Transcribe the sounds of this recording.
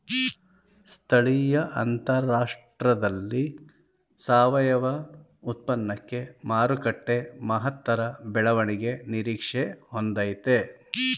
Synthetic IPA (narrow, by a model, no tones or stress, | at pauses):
st̪ʰɐɭijɐʔɐnt̪ɐɾaːʂʈɾɐd̪ɐlːi | saːʋɐjɐʋɐ | ut̪̚pɐnːɐkːe̞maːɾukɐʈːe̞mɐɦɐt̪ʋɐɾɐbɛɭɐʋɐɳiɡe̞niɾiːkʂehond̪aːjt̪e